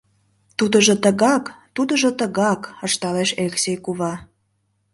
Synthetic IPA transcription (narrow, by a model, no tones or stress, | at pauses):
t̪ud̪əʒot̪əɣɑkt̪ud̪əʒŏt̪əɣɑkəʃt̪ɑleʃelʲeksʲejkuβɑ